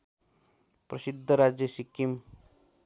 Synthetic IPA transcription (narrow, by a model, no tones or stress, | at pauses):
pɾʌsid̪ʱːʌɾad͡zjʌsikim